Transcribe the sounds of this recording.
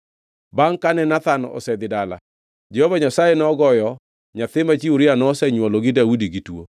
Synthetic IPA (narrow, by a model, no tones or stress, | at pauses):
baŋkanɛnat̪anɔ̰sɛd̪ɪdala̰ | d͡ʒɛhovaɲasajenɔɡɔjɔ | ɲat̪ɪmat͡ʃiuɾɪanɔsɛɲwɔlɔɡɪdaudiɡitwo̰